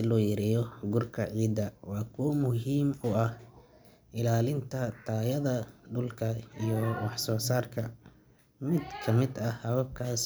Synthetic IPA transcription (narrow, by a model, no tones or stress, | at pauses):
ɪlɔːjɐɾɛjɔɡʊrkʰɐʕiːd̪ɐwɑːkʰumʊɦiːmʊɐh | ʔɪlaːlɪnt̪ʰɐt̪ʰaːjɐðɐɖʊlkʰɐijɔwɑħsɔːsaːrkʰɐ | mɪd̪kʰɐmɪd̪ɐhɐβɐb̚kʰaːs